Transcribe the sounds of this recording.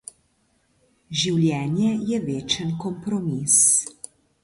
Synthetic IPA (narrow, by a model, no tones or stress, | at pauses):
ʒiwljɛːnjɛjɛʋeːt͡ʃənkɔmpɾɔmis